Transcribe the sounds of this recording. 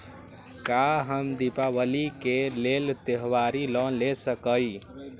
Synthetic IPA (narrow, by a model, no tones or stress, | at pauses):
kaɦəmd̪ipaʋəlikelelt̪eɦwaɾilɔnlesəkəj